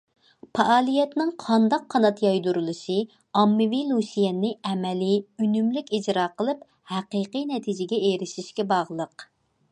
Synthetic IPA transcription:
pʰɑʔɑːlˠijɛt̪nɪŋqʰɑnd̪ɑqʰːɑnɑt̪jɑjd̪uɾulˠɨʃɨ | ɑmːɨvilˠusijɛnːɪɛmɛlɪynymlykʲid͡ʒɾɑːqəlˠɨp | hæqiqinɛt̪ʰid͡ʒɪɡʲɛeɾɪʃiʃkʲɛbɑʁlˠəq

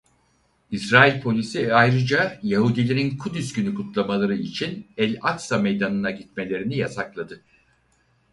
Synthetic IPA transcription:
isɾaːilʲpʰo̞lʲisiajɾɯd͡ʒajaɦud̪ilʲeɾinkʰud̪ysɟynykʰut̪lˠamalˠaɾɯit͡ʃʰinɛlʲak̪same̞jd̪anɯnaɟit̪̚me̞lʲe̞ɾinijasaklˠad̪ɯ

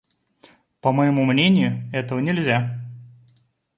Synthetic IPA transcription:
pəməjɪmumnʲenʲɪjʊɛt̪əvənʲɪlʲzʲa

